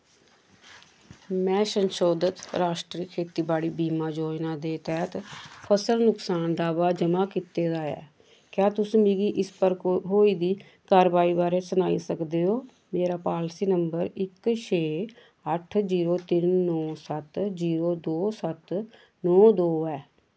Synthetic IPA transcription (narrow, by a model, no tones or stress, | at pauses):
mɛ̃ːsənʃoːd̪ət̪ɾaːʃʈɾiːkʰeːt̪iːbaːɽiːbiːmaːd͡ʒoːd͡ʒnãːd̪eːt̪ɛːt̪pʰəsəlnʊksaːnd̪aːbaːd͡ʒəmaːkɪt̪eːd̪aːɛ̰ː | kjaːt̪ʊsːmiɡiːʔɪspəɾkɦoːiːd̪iː | kaːɾʋaːiːbaːɾeːsənaːiːsəkd̪eːoː | meːɾaːpaːlsiːnəmbəɾɪkʃʰeː | əʈʰziːɾoːt̪ɪnːɔːsət̪ziːɾoːd̪oːsət̪ | nɔːd̪oːɛː